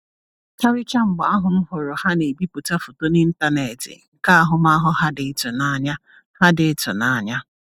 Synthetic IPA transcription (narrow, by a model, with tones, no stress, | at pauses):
tʰa˦ɾɪ˦t͡ʃa˦m̩˦ɡ͡bʊ˨˦a˦ɦʊ˨m̩˦ɦʊ˨ɾʊ˨ha˦ne˨bi˦pu˨ta˦fʊ˨to˦ni˦n̩˦ta˦ne˨tɪ̰˨ŋ̩˨ka˦a˦ɦʊ˨ma˦ɦʊ˦ha˦dɪ˨˦tʊ˨na˦ɲa˦ | ha˦dɪ˨˦tʊ̰˨na˨ɲa˦